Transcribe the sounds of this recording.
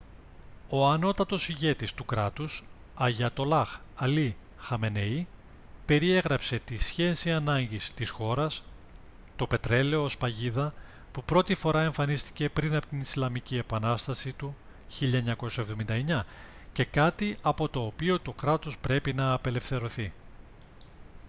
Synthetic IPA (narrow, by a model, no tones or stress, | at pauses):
o̞ɐno̞t̪ɐt̪o̞siʝe̞t̪ist̪ukɾɐt̪us | ɐʝɐt̪o̞lɐxɐli | xɐme̞nei | pe̞ɾie̞ɣɾɐpse̞t̪isçe̞siɐnɐɲɟist̪isxo̞ɾɐs | t̪o̞pe̞t̪ɾe̞le̞o̞ospɐʝiðɐ | pupɾo̞t̪ifo̞ɾɐe̞ɱfɐnist̪i̥ce̞pɾinɐpo̞t̪inislɐmicie̞pɐnɐst̪ɐsit̪u | çiʎɐeɲɐko̞sɐe̞vðo̞mind̪ɐeɲɐ | ce̞kɐt̪iʔɐpo̞t̪o̞ːpio̞t̪o̞kɾɐt̪o̞spɾe̞pinɐːpe̞le̞fθe̞ɾo̞θi